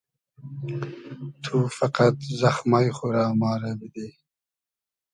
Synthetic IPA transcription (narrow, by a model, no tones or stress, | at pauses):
t̪ʰufaqat̪zaxmajxuɾɑːmɑːɾabid̪eː